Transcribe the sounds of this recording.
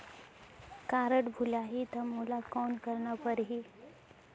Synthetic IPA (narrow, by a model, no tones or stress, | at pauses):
kaɾəʈbʱulaɦit̪əmulakɔnkəɾɳapəɾɦi